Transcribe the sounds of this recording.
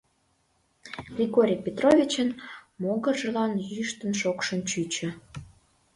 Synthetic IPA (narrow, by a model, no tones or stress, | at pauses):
ɡrʲiɣoɾʲipʲet̪rovʲit͡ɕənmoɣərʒə̆lɑnjyjəʃt̪ənʃokʃənt͡ɕyt͡ɕə̆